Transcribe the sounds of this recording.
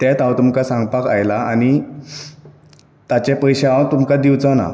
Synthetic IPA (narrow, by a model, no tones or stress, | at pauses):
t̪ɛ̃t̪awt̪umkasãŋɡpaka̰jlaani | t̪at͡ɕepəjɕaaat̪umkad̪iwt͡sana̰